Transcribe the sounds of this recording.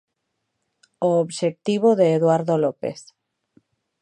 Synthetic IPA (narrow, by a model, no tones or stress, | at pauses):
oːβʃek̚t̪iβ̞oðeːðwaɾðolopḛθ